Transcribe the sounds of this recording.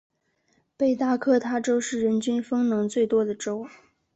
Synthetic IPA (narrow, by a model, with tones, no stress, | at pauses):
pe˥˧ɪt̪a˥˩kʰɤ˥˩t̪ʰa˥ʈ͡ʂo˥ʊʂɻ̩˥˩ɻə˧˥nt͡ɕy˥nfɤ˥ŋnɤ˧˥ŋt͡swe˥˩ɪt̪wɔ˥d̪ə˨ʈ͡ʂo˥ʊ